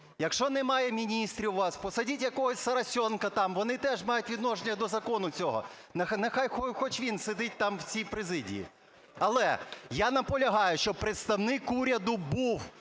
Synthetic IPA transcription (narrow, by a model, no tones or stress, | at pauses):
jɐkʃɔnɛmɑjɛmʲinʲist̪ɾʲiwʋɑspɔsɐdʲitʲjɐkɔɦɔsʲsɐɾɐsʲɔnkɐt̪ɑmʋɔnɪt̪ɛʒmɑjʊtʲʋʲid̪nɔʒenʲːɐd̪ɔzɐkɔnʊt͡sʲɔɦɔ̰ | nɐxnɐxɑjxɔxɔt͡ʃʋʲinsed̪ɪt̚ʲt̪ɑmwt͡sʲijpɾezɪdʲḭjḭ | ɐlˠɛ̰janɐpɔlʲɐɦɑjʊʃt͡ʃɔpɾet̪st̪ɐwnɪkuɾʲɐd̪ʊbuw